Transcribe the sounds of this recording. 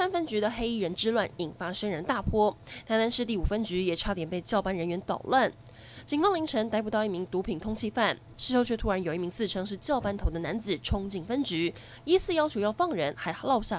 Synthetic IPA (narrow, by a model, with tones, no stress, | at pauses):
sa˥nfə˥nt͡ɕy˧˥d̪ə˨xe˥ɪi˥˩ɻə˧˥nʈ͡ʂɻ̩˥lwa˥˩ni˨˩nfa˥ʂə˥ŋɻə˧˥nt̪a˥˩pʰwɔ˥t̪ʰa˧˥t̪a˥nʂɻ̩˥˧t̪i˥˩u˨˩fə˥nt͡ɕy˧˥jɛ˨˩ʈ͡ʂʰa˥t̪jɛ˨˩npe˥˩ɪt͡ɕjɑ˥˩ʊpa˥nɻə˧˥nɥɛ˧˥nt̪ɑ̰˨˩ʊlwə˥˩n | t͡ɕi˨˩nfɑ˥ŋli˧˥ŋʈ͡ʂʰɤ˧˥ŋt̪a˧˥ɪp̬u˨˩t̪ɑ˥˧ʊi˥˩mi˧˥ŋt̪u˧˥pʰi˨˩ŋt̪ʰʊ˥ŋt͡ɕʰi˥˧fa˥˩n | ʂɻ̩˥˧ʂo˥˧t͡ɕʰɥɛ˥t̪ʰu˥ɻa˧˥njo˨˩i˥˩mi˧˥ŋt͡sʰɹ̩˥˩ʈ͡ʂʰɤ˥ŋʂɻ̩˥˧t͡ɕjɑ˥˩ʊpa˥nt̪ʰo˧˥ʊd̪ə˧na˧˥nt͡sɹ̩˨˩ʈ͡ʂʰʊ˥ŋt͡ɕi˨˩ŋfə˥nt͡ɕy˧˥ | i˥sʰɹ̩˥˩jɑ˥ʊt͡ɕʰjo˧˥jɑ˥˧ʊfɑ˥˩ŋɻə˧˥nxa˧˥ɪlɑ˥˧ʊɕja˥˩